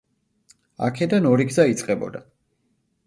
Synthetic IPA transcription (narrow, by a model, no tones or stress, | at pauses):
a̰kʰɛd̪anɔɾiɡzait̪sʼqʼɛbɔ̰d̪a